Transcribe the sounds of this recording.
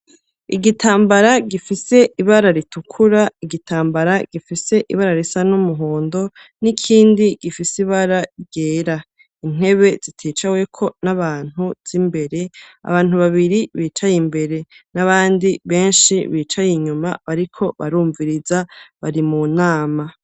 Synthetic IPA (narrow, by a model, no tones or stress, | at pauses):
iɡitʰaːmbaɾaɡifise̞ʔiβaɾaɾitukʰuɾaiɡitʰaːmbaɾaɡ̥ifise̞ʔiβaɾaɾisanumuɦoːndo̞ | nikʰiːndiɡ̥ifisiβaɾaiɡeːɾa | in̥e̞βe̞z̥itʰeːt͡ʃawe̞kʰo̞naβaːn̥uz̥imbe̞ɾe̞a̰βaːn̥huβaβiɾiβiːt͡ʃajimbe̞ɾe̞naβaːndiβe̞ːnʃiβiːt͡ʃajiɲumaβaɾikʰo̞βa̰ɾuːɱviɾizaβaɾimunaːma